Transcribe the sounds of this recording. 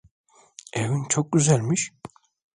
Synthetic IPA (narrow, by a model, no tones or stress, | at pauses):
evynt͡ʃʰok̚ɟyzælʲmiʃ